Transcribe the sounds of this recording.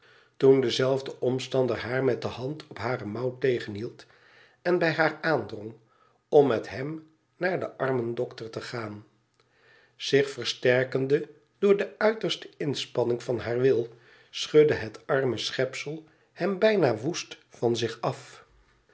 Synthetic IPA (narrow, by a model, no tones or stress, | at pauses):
tundəzɛlˠvdəʔɔmstɑndəɹɦaːɹmɛt̚dəhɑntʰɔpɦaːrəmɑwtejχənɦilˠt | ɛnbɛjɦaːɹaːndrɔŋ | ɔmːɛtɦɛm | naːɹdəʔɑɹməndɔktəɹtəχaːn | z̥ɪχfəɹstɛɹkəndə | d̥ʊːɹdəœɥtəɹstəɪnspɑnɪŋvɑnɦaːɹʋɪlˠ | sχɵdəɦətɑɹməsχɛpsəlˠ | hɛmbɛjnaːʋustfɑnzɪχɑf